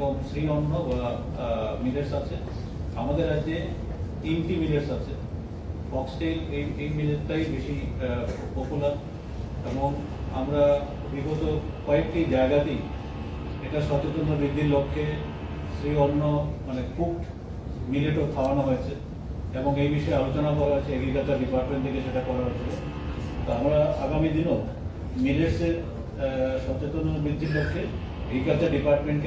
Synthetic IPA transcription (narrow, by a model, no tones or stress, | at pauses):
eboŋsɾiɔnːoba | mileɾsat͡ɕʰe | amad̪eɾad͡ʑe | inʈimileɾsat͡ɕʰe | fɔksʈeleejmileʈ̚t̪ajbeʃi | pokulaɾ | eboŋ | amɾa | biɡot̪o | kɔek̚ʈid͡ʑaeɡat̪i | eʈaʃɔt̪ot̪onːobɾid̪ʱːiɾlokʰːe | sɾiɔnːomanekuʈ | mileʈop̪ʰaoanaɦoet͡ɕʰe | eboŋejbiʃɔealot͡ɕonakɔɾaɦoet͡ɕʰeeɡɾikalt͡ɕaɾɖipaɾʈmeɳt̪ʰekeʃeʈakɔɾaɦoet͡ɕʰilo | t̪oamɾaa̰ɡamid̪ino | mileʈseɾ | ʃɔt͡ɕet̪onoɾbɾid̪ʱːiɾlokʰːe | eɡikalt͡ɕaɾɖipaɾʈmeɳʈk